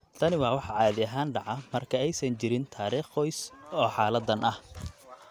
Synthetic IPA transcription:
t̪ʰɐnɪwɑːwɑħɑʕɑːðɪɐɦaːnɖɑʕɑmɐrkʰɐɛjsɐnt͡ʃɪɾɪnt̪ʰaːɾiːχɔjsɔːħɑːlɐd̪ɐnʔɐh

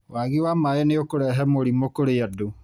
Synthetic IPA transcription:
waɣiwamaeneokoɾɛɦɛmoɾimokoɾeado

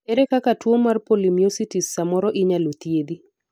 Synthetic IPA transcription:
eɾekakatwomːarpolimiositisːamɔɾɔʔɪɲalot̪jed̪i

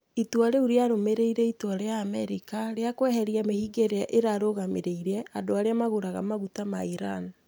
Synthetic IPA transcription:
itwaɾeuɾeaɾomeɾeiɾɛitwaɾeaːmɛɾikaɾeakwɛɦɛɾiamehiɡeɾeaʔeɾaɾoɣameɾeiɾɛadoaɾeamaɣoɾaɣamaɣutamaiɾan

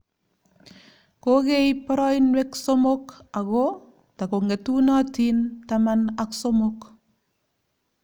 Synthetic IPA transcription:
koɡejpɔɾɔinweksomokaɣo | takoŋetunatintamanaksomok

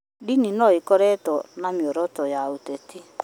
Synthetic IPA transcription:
dininɔikɔɾɛtɔnamjɔɾɔtɔjaoteti

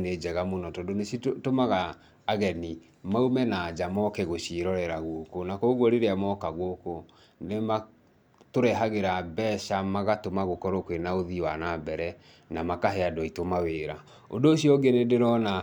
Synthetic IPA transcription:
ned͡ʒɛɣamonɔtɔdonesitomaɣaː | ɣɛni | maumɛnad͡ʒamɔkɛɣoʃiɾɔɾɛɾaɣokonakoɣwɔɾeɾeamɔkaɣwoko | nema | toɾɛɦaɣeɾabɛʃamaɣatomaɣokɔɾokwenaoðiwanabɛɾɛ | namakaɦɛadwɔitomaweɾa | ondoːɕiɔɡenedeɾɔna

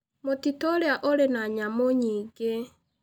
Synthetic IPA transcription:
motitoɾeaʔoɾenaɲamoɲiːɡe

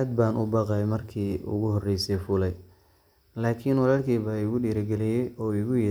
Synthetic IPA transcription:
d̪̚baːnʔʊbɑqɛjmɐrkʰiːʊ̰ɣʊhɔrɛjsɛjfʊlɛj | laːkʰinwɑlaːlkʰiːβaɪɣʊɖiːɾɐɡɛlɪjɛjɔːɪɣʊjɪ

